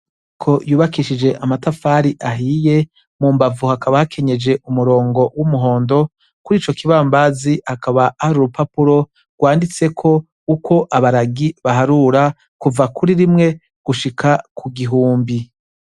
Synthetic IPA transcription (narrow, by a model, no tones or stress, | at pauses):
kʰo̞juːβakiʃid͡ʒe̞ʔamatafaɾiʔaɦiːje̞ | mumbavuhakaβahakʰe̞ɲe̞d͡ʒe̞ʔumuɾo̞ːŋɡo̞wumuɦo̞ːndo̞ | kuɾiːt͡ʃo̞kiβaːmbazihakaβaʔahaɾuɾupapuɾo̞ | ɡ̥waːndit͡se̞kʰo̞ | ukʰo̞ʔaβaɾaɡiβaɦaɾuɾa | kuvakuɾiɾimŋe̞ | ɡ̥uʃikʰakʰuɡiɦuːmbi